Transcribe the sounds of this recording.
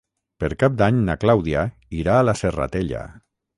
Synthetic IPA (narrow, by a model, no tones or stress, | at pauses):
pəɾkap̚d̪aɲnaklawðia | iɾaːlasera̰t̪eʎa̰